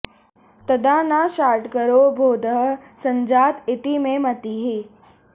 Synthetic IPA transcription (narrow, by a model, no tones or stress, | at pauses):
t̪əd̪ʱanaʃaːɾʈkəɾobʱoːd̪əɦsəɲd͡ʒaːt̪ɪt̪imẽmɐt̪iɦi